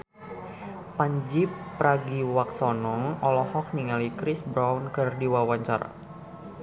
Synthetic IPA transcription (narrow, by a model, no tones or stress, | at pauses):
paɲd͡ʒipːɾaɡiwak̚sɔnɔŋɔlɔhɔk̚niŋalikɾisbɾawnkɨrdiwawaɲt͡ʃa̰ra̰